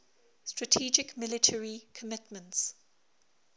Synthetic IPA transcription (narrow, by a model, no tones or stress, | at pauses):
stɹ̥ətʰiːd͡ʒɪkmɪlɪtʰəɹikʰəmɪtmə̃nts